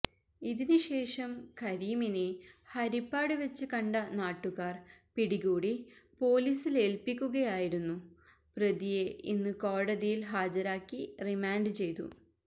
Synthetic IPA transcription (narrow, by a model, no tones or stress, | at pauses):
iðinɨɕe̞ːʂɐmkɐɾiminehɐɾipːaːɽɨʋet͡ɕːɨkɐɳɖɐnaːʈːuɣaːrpiɽiɣuːɽipo̞ːliːsile̞lpikʲːuɣɐjaːjiɾunːu | prɐðije̞inːɨkoːɽɐðijilɦaːd͡ʑɐɾaːkːirimaːnɖɨt͡ɕe̞jt̪ṵ